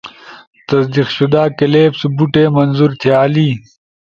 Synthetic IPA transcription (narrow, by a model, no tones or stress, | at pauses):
t̪ɐsd̪iqɕud̪aːkɐleːpsubuʈeːmɐnzuɾt̪ʰijaːliː